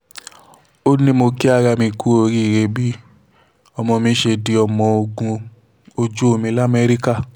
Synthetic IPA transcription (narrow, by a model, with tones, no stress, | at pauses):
o˦nĩ˧mo˧ki˦a˧ɾa˧mĩ˧ku˦o˧˨ɾi˦˨ɾe˧bi˦ | ɔ˧mɔ̃˧mĩ˧˦ʃe˧di˧ɔ˧˨mɔ̃˧o˧ɡũ˧ | o˧d͡ʒo˦o˧mĩ˧˦la˦˨me˧˦ɾi˦ka˦˨